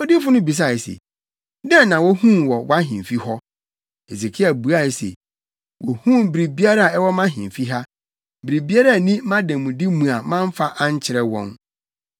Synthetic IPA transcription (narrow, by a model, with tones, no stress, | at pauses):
ɔ˦di˦fʊ˦nʊ̃˦bi˨s̬a˦˨sḛ˨ | dɛ̃˦˨nã˨wɔ˦hũ˦mwɔ˨wa˦ɦɪ̃˨m˨fi˦hɔ˦ | e˨si˨kʰɪ˦a˨bu˨a˦˨sḛ˨ | wʔɔ˨hũ˦m˨bɾi˨bi˦a˦ɾa˦a˨ɛ˦wɔ˦mã˦ɦɪ̃˨fi˦ɦa˦ | bɪ˨ɾi˨bi˦a˦ɾa˦˨nĩ˦mã˦dɛ̃˨mũ˨di˦mũ˨a˨mã˦m˦fa˦ʔã˦ɲ˦t͡ɕʰɪ˨ɾɛ˦wɔ̰̃˦n